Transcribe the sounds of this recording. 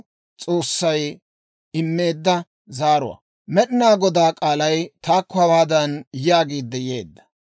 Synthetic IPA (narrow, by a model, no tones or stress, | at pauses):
t͡sʼo̞ːsːɐj | ɪmːe̞ːd̪ːɐ | zaːɾʊ̰wa̰ | mɛɗɪnaːɡɔd̪aːkʼaːlɐjt̪aːkːʊhɐwaːd̪ɐnjɪjaːɡiːd̪ːɛje̞ːd̪ːɐ̥